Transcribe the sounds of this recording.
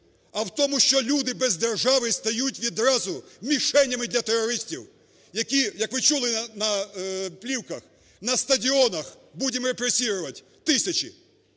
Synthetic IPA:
ɐwt̪ɔmʊʃt͡ʃɔlʲud̪ɪbɛzd̪erʒɑʋɪst̪ɐjutʲʋʲid̪ɾɑzʊmʲiʃɛnʲːɐmɪd̪lʲɐt̪erɔɾɪsʲtʲiw | jɐkʲijɐkʋɪt͡ʃulˠɪɐnɐplʲiwkɐx | nɐst̪ɐdʲiɔnɐx | budʲɪmɾepɾesʲiɾʊʋɐtʲ | t̪ɪsʲɐt͡ʃʲi

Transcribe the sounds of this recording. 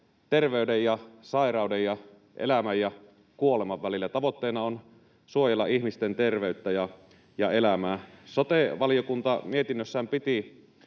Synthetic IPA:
t̪erʋeydejjɑsɑerɑˑudejjɑ | ʔḛlæmæjjɑ | kuolemɑʋʋælilːæt̪ɑʋot̪ːeːnɑon | suojelːɑ̰ihmist̪ent̪erʋeyt̪ːæjɑ | jɑelæmæːsot̪eʋɑlijokunt̪ɑmie̞t̪inːøsːæːmpit̪i

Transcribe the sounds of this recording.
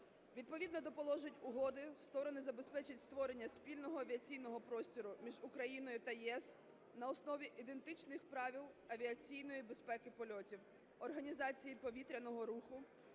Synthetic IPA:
ʋʲid̪̚pɔʋʲid̪nɔd̪ɔpɔlˠɔʒenʲʊɦɔd̪ɪst̪ɔɾɔnɪzɐbe̞spɛt͡ʃɪtʲst̪ʋɔɾenʲːɐspʲilʲnɔɦɔɐʋʲiɐt͡sʲijnɔɦɔpɾɔsʲtʲɔɾʊmʲiʒʊkɾɐjinɔjʊt̪ɐjɛs | nɐɔsnɔʋʲiʔid̪e̞nt̪ɪt͡ʃnɪxpɾɑʋʲilˠɐʋʲiɐt͡sʲijnɔjibespɛkɪpɔlʲɔtʲiw | ɔrɦɐnʲizɑt͡sʲijipɔʋʲit̪ɾʲɐnɔɦɔɾuxʊ

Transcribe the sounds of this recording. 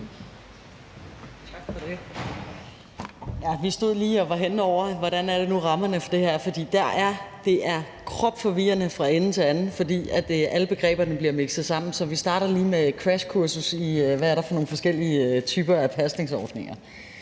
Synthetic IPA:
t͡sʰɑ̈ɡ̥fɒ̽d̥e | jæʋisd̥o̝ð̞̰ˠliːɒ̽ʋɑ̈ɦenɒʊ̰ɐʋɒɾ̥ænæɐɾ̥e̝nuʁɑ̈mɐnəfɒ̽d̥e̝hæɐ̰fɒ̽d̥ḭːd̥æɐʔæɐd̥e̝ʔæɐ | kʰʁɒ̽b̥fɒ̽ʋiːɐnəfʁɑ̈e̝nn̩t͡sʰe̝ænn̩fɒ̽d̥ḭːæd̥ʔæləb̥e̝ɡ̥ʁɛ̰ːb̥ɐnəb̥liɐme̝ɡ̥sð̩ˠsɑ̈m̰n̩sɒ̽ʋisd̥ɑ̈ːɾɐliːmekʰʁæɕkʰuɐsusiʋææɐɾ̥ɑ̈fɒ̽no̝ːn̩fɒ̽sɡ̥el̰iət͡sʰyːb̥ɐæpʰæsd̥ne̝ŋsɒ̰ːd̥ne̝ŋɐ

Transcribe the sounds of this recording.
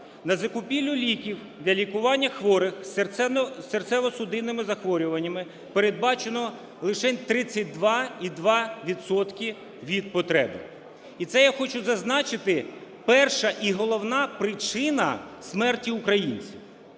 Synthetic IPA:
nɐzɐkʊpʲilʲːʊlʲikʲiw | d̪lʲɐlʲikʊʋɑnʲːɐxʋɔɾɪx | sert̪sɛʋɔsʊd̪ɪnːɪmɪzɐxʋɔɾʲʊʋɐnʲːɐmɪ | peɾed̪̚bɑt͡ʃenɔ | lˠɪʃɛt̪ɾɪt͡sʲːɐt̚ʲd̪ʋɑid̪ʋɑʋʲid̪sɔt̪kʲi | ʋʲid̪̚pɔt̪ɾɛ̰bɪ̰ | it̪sɛjaxɔt͡ʃʊzɐznɑt͡ʃɪt̪ɪ | pɛrʃɐʔiɦɔlˠɔwnɑpɾɪt͡ʃɪnɐ̰smɛrtʲiʊkɾɐjinʲt͡sʲiw

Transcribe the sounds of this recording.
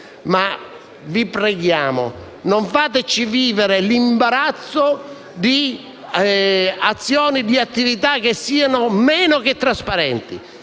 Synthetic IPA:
ma | vipɾɛɡjaːmʊ̰ | noɱfaːt̪̬ɪt͡ʃiviːveɾɪlimbaɾat̪sːo | d̪i | at̪sːjɔːnid̪iat̪ːivit̪ak̟ːesːiːanʊmɛːnʊk̟et̪ːɾaspaɾɛnt̪ḭ

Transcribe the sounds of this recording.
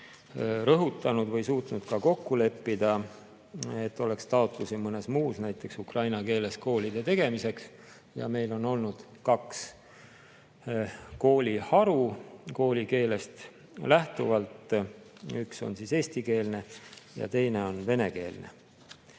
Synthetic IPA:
rɤɦut̪ːˑɑnud̪vɤjsuːt̪nud̪̥kɑko̞kːule̞pːid̪̥ɑ | e̞t̪ːˑo̞le̞kst̪ɑot̪lusimɤne̞smuːsnæjt̪ˑːe̞ksukrɑjnɑke̞ːle̞sko̞ːlid̪̥e̞t̪e̞ɡ̥e̞mise̞ks | jɑ̰me̞jlo̞no̞lnud̪̥ | kɑks | ko̞ːlʲihɑɾuko̞ːlʲike̞ːle̞st̪ | læht̪uvɑlt̪ | ykso̞̰nsise̞ːst̪ike̞ːlne̞jɑ̰t̪e̞jne̞o̞nve̞ne̞ke̞̰ːlne̞̰

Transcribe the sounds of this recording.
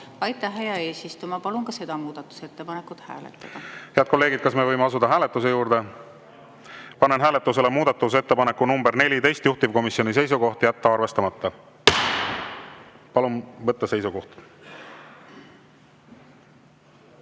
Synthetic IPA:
ɑjt̪ːˑɑɦejɑe̞ːsist̪umɑpɑlunkɑse̞d̪̥ɑmuːd̪̥ɑt̪ːˑu̥se̞t̪ːepɑnekːˑut̪hæ̰ːlet̪ːˑɑd̥̪ɑheɑd̪̚ko̞lːe̞ːɡid̪̥̚kɑsmevɤjmeɑsud̪̥ɑɦæːlet̪ːˑus̬e̞juːɾd̪̥e̞ | pɑnenɦæːlet̪ːˑuse̞le̞muːd̪̥ɑt̪ːˑus̬e̞t̪ːe̞pɑne̞kːˑunumberne̞lʲit̪e̞jst̪juht̪ivko̞misjo̞nis̬e̞js̬uko̞ht̪jæt̪ːɑɑrve̞st̪ɑmɑt̪ːɑ | pɑlunvɤt̪ːɑse̞jsuɡko̞ht̪

